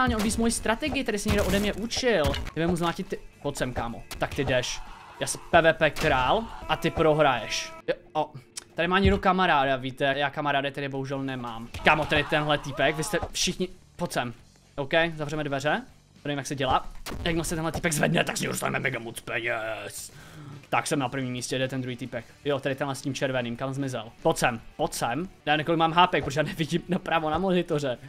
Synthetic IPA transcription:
alɲɛʔodbiːsmojist̪ɾat̪ɛɡɪɪt̪ɛɾɪsɛɲɛɡdoodɛmɲɛʔut͡ʃɪlɛbɪmuzmlaːcɪt̪ːɪpot̪t͡sɛmkaːmo̰t̪akt̪ɪdɛʃjaːspɛːvɛːpɛːkɾaːlʔat̪ɪpɾoɦɾajɛʃjoot̪adɪmaːɲɪɡdokamaɾaːdavit̪ɛajaːkamaɾaːdɪt̪ɛdɪboɦuʒɛlnɛmaːmkaːmot̪ɛdɪt̪ɛnɦlɛt̪ipɛkvɪst̪ɛfʃɪxɲɪ | pot̪t͡sɛm | ʔowkɛjzavrɛmɛdvɛrɛ | ɛvimɛjaksɛɟɛlaːjaɡmasɛt̪ɛnɦlɛt̪iːpɛɡzvɛ̰dnɛt̪aksɛɲɛmodost̪a̰nɛmɛ̰mɛɡamot͡spɛɲɛst̪aksɛmnapɾ̩vɲiːmːiːscɛjɛdɛt̪ɛnd̪ɾuɦiːt̪iːpɛkjot̪ɛdɪt̪ɛnlɛsciːmt͡ʃɛɾvɛniːmkamzmɪzɛ̰lpot̪t͡sɛmpot̪t͡sɛmdamnɛkolɪkmaːmɦaːpɛkpɾot̪oʒɛjaːnɛvɪɟɪmnapɾavonamonɪt̪orɛ

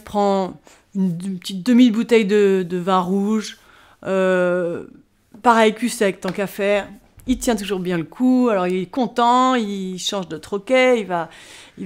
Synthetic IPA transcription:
pχɑ̃ | ynpə̥t̪it̪̚d̪əmilbut̪ɛjd̪əd̪əvɛ̃ʁuʒ | ø | paʁɛjkʲysɛk̚t̪ɑ̃kafɛʁ | ilt̪jɛ̃t̪̬uʒuʁbjɛ̃ləkʰualɔʁilɛkɔ̃t̪ɑ̃ilʃɑ̃ʒd̪ət̪χɔkeilvai

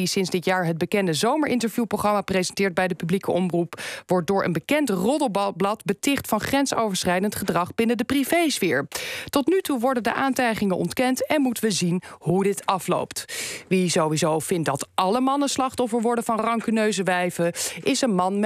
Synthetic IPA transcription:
isɪnzdɪtjaːɹɦəd̚bəkɛndəzowməɹʔɪntəɹvjuprowχrɑmaːprezɛntɪːɹt̚bɛjdəpyblikəʔɔmrupʋɔɹt̚dʊːɹʔə̰nbəkɛntrɔdəbblɑtbətɪχtfɑnχrɛnso̰wvəɹsχɛjdəntχədrɑχbɪnədəprivejsfɪːɹtɔtnytuʋɔɹdəndəʔaːntɛjχɪŋənʔɔ̰ntkɛntɛnmutəʋəzinɦudɪtɑflo̰wptʋizowʋizowvɪnt̚dɑtʔɑləmɑnəslɑχtɔfəɹʋɔɹdənvɑnrɑŋkənøɥzəʋɛjvəʔɪsənmɑnm

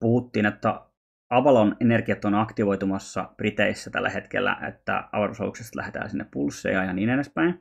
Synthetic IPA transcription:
puhut̪ːiːnet̪ːæ | ɑʋɑlonenerkiɑt̪ːonɑkt̪iʋo̞jt̪umɑsːɑ̰prit̪eisːæt̪æ̰lːæhe̞t̪kelːæ̰ʔḛt̪ːæ̰ɑ̰ʋɑlusɑ̰lṵksest̪læ̰het̪æ̰ːnsinːeppulsːḛjːɑjɑniːnenespæin

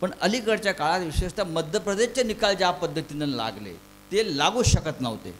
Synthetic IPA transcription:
pəɳəlikəɾt͡ɕjakaɭat̪ʋiɕeʂt̪aməd̪ʱjəpɾəd̪eɕt͡ɕanikald͡ʑapəd̪ʱːət̪inənla̰ɡlḛ | t̪elaɡũːɕəkət̪nəʋt̪ḛ

